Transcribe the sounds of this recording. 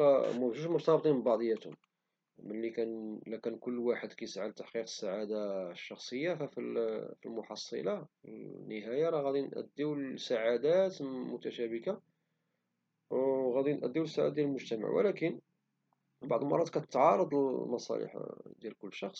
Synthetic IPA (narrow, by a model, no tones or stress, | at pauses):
æmæʒuʃmʊt̪ɑb̚t̪ˤimbɑʕd̪ˤjæt̪hʊ̰m | mənlːikænlækænkʊlːwaħəd̪kæjsʕalt̪ːaħqiqə̥sːaʕad̪aʃːɑxsˤəjːafæfifilmʊħɑsˤːə̰lɑnːəɦæjɑɾˤɑɣæd̪inʔə̰d̪ːiwlsaʕad̪æt̪mʊt̪æʃæbəka | wɣæd̪inʔæd̪ːiwləsːaʕa̰d̪jæləlmʊʒt̪æma̰ʕwə̰lækən | bɑʕd̪ˤəlmɑ̰rˤːɑd̪kæt̪ət̪ːʕɑɾˤɑd̪ˤəlmɑsˤɑ̰lḭħd̪jælkʊlːʃɑxsˤ